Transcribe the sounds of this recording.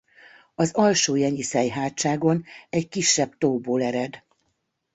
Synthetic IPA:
ɒzɒlʃoːjɛɲisɛjɦaːt̪t͡ʃaːɡo̞nɛckiʃːɛbt̪oːboːlɛɾɛd̪

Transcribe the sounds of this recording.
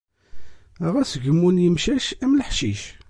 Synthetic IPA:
ʁæsʝəmːunjəmʃæʃæmləħʃiʃ

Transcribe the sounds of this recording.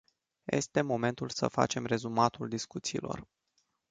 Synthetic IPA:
je̞̰st̪e̞mo̞me̞nt̪ulsəfa̰t͡ʃe̞mre̞zumat̪uld̪iskut̪siːlʔo̞̰r

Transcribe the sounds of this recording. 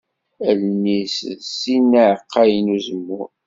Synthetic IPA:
əlnissinːəʕəqːɑjnuzəmːʊɾ

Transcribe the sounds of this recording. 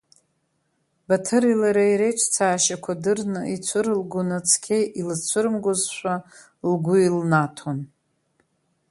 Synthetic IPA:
batʰɨɾilaɾajɾejʈ͡ʂʰʼt͡sʰaːʃakʷʰadɨrnɨʔit͡sʷʰɨɾlɡʷʊnɨt͡sʰkʲʰejʔilɨt͡sʷʰɨɾmɡʷʊzʃʷa | lɡʷʊilnatʰon

